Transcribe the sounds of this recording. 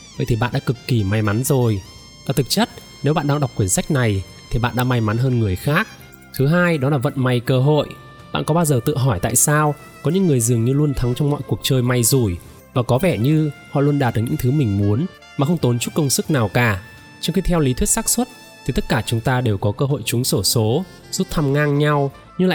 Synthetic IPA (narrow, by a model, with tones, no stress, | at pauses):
və̰˧˨jt̪ʰi˨˩ɓa̰ː˧˨nɗa̰ː˧˥kɨ˨˩kːi˧˩ma˨˧˩jma˨˦nzo˨˩j | vaː˨˩t̪ʰɨ˨˩k̚t͡ɕə˦˥t̚ | ne˨˦wɓa̰ː˧˨nɗaː˧ŋɗa˨˩k͡p̚kːwi˧˩ənsa˦˥jk̟̚na˨˩j | t̪ʰi˨˩ɓa̰ː˧˨nɗa̰ː˧˥ma˧jma˨˦nɦəː˧nŋɨ˨˩əjxaː˦˥k̚ | t̪ʰɨ˨˦ɦaː˧jɗɔ˨˦laː˨˩və̰˧˨nma˨˩jkəː˧ɦo̰˧˨j | ɓa̰ː˧˨nkɔ˨˦ɓaː˧wzəː˨˩t̪ɨ̰˧˨ɦɔ˧˩jt̪a̰ː˧˨jsaː˧w | kɔ˨˦ɲɨ̰˧˥ŋːɨ˨˩əjzɨ˨˩əŋɲɨ˧lu˧ənt̪ʰa˨˦ŋt͡ɕɔ˧wŋ͡mmɔ̰˧˨jku˨˩ək̚t͡ɕəː˧jma˨˩jzu˧˩j | vaː˨˩kɔ˨˦vɛ˧˩ɲɨ˧hɔ̰˧˨lu˧ənɗaː˨˩t̪̚ːəː˨˦ɲɨ̰˧˥ŋt̪ʰɨ˨˦mï˨˩ŋ̟mu˨˦ən | maː˨˩xə˧wŋ͡mt̪o˨˦nt͡ɕu˦˥t̚kə˧wŋ͡msɨ˦˥k̚naː˨˩wkaː˨˩ | t͡ɕɔ˧wŋ͡mxi˧t̪ʰɛ˧wli˨˦t̪ʰwi˦˥t̚saː˦˥k̚swə˦˥t̚ | t̪ʰi˨˩t̪ə˦˥t̚kaː˧˩t͡ɕʊ˨˦ŋ͡mt̪aː˧ɗe˨˩wkɔ˨˦kəː˧ɦo̰˧˨jt͡ɕʊ˨˦ŋ͡mso˧˩so˨˦ | z̥u˦˥t̚t̪ʰa˧mŋaː˧ŋɲa˧w | ɲɨ˧la̰ː˧˨